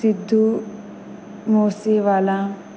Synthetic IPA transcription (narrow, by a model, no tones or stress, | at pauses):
sid̪ʱːu | moːsiʋaːlã